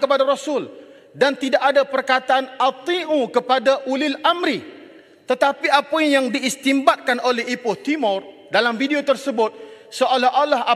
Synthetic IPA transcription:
kəpadaɾosʊl | dant̪idaʔadapərkat̪aʔanat̪iʔũkəpadaʔulɪlamɾi | t̪ət̪apiapɔiŋjaŋdiːst̪imbat̪̚kanʔolɛɦipʊt̪imɔr | dalamvidiot̪ərsəbʊt̪̚ | soʔalaɦʔalaɦa

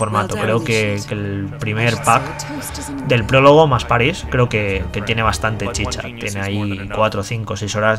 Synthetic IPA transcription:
o̞ɾmat̪okɾe̞okekelpɾimeɾpak | d̪e̞lpɾo̞lo̞ɣ̞omaspaɾiskɾe̞oke̞ke̞t̪je̞ne̞β̞ast̪ant̪e̞t͡ʃit͡ʃa̰t̪jene̞aikwat̪ɾo̞θiŋko̞sejso̞ɾaz

